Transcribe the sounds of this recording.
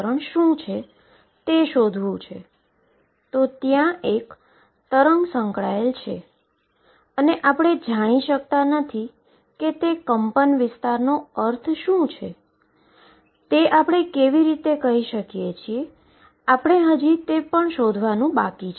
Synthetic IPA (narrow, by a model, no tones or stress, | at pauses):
ɾəɳʃũt͡ʃʰe | t̪eʃod̪ʱʋũt͡ʃʰḛ | t̪ot̪jãek | t̪əɾəŋɡsə̃ŋkɭaelt͡ʃʰe | əneʔapɽ̃ed͡ʒaɽ̃iʃək̚t̪anət̪ʰi | ket̪ekəmpənʋɪst̪aɾnoəɾt̪ʰʃũt͡ʃʰe | t̪eʔapɽ̃ekeʋiɾit̪ekəɦiʃəkijet͡ʃʰie | apɽ̃eɦəd͡ʒit̪epəɳʃod̪ʱʋanũbakit͡ʃʰ